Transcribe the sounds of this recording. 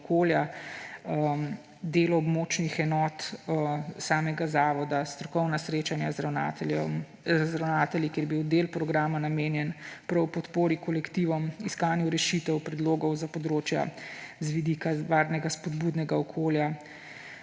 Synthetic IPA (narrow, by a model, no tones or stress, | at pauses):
koːlja | d̪eːlɔbmoːt͡ʃnixɛnɔːt̪ | saːmɛɡazaːʋɔd̪ast̪ɾɔkɔwnasɾeːt͡ʃanjazɾanm | zɾawnaːt̪ɛljikeɾjbiwd̪elpɾɔɡɾaːmanameːnjɛnpɾɔwpɔt̪poːɾikɔlɛkt̪iʋɔmiskaːnjuɾɛʃit̪ɛwpɾɛd̪loːɡɔwzapɔd̪ɾoːt͡ʃja̰zʋid̪ikaʋaːɾnɛɡaspɔd̪buːd̪nɛɡaɔkʰoːlja